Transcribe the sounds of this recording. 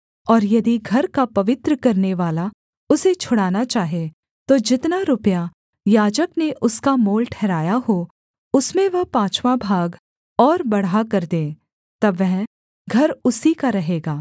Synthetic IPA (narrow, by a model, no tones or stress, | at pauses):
ɔːɾjɐd̪iɡʱɐɾkapɐʋɪt̪ɾəkɐɾneʋaːla | ʊset͡ʃʰʊɽaːnat͡ʃaːɦe | t̪od͡ʒɪt̪naɾʊpja | jaːd͡ʒəkneʔʊskamoːlʈʰɛːɾaːjahoː | ʊsmẽʋɐɦpãːt͡ʃʰʋabʱaːɡ | ɔːɾbɐɽakɐɾd̪ẽː | t̪ɐbʋɛɦ | ɡʱɐɾʊsikaɾɐɦeːɡaː